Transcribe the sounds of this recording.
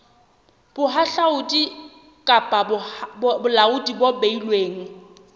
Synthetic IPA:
b̥ʊɦaɬaʊtʼi | kʼapʼabʊbʊlaʊtʼibobeilweːŋ̩

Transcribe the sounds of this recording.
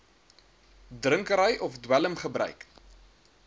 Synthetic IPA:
drəŋkəɾəjʔɔfdwæləmχəbrœ̰ɥk

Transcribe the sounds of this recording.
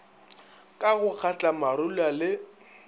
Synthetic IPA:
kʼaɣʊk͡xʰat͡ɬʼamaɾʊlalɪ

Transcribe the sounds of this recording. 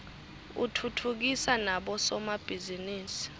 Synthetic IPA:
ṵtʰutʰuk̬isanaɓɔsɔmab̥ʱiziniːsi̥

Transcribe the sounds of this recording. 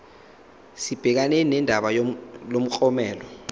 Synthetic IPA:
sib̥ʱɛk̬aneninɛndʱaɓajolom̩ǃʼɔmɛːlɔ

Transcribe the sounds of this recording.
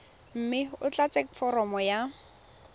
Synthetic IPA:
m̩mɪʊt͡ɬat͡sekfɔɾɔmɔja

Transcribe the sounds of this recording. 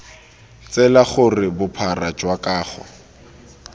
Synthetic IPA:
t͡sɛlaχʊrɪbʊpʰarad͡ʒwakaːχɔ̰

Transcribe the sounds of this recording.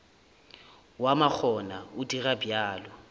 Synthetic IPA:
wamak͡xʰɔnaʊdirabjaːlɔ

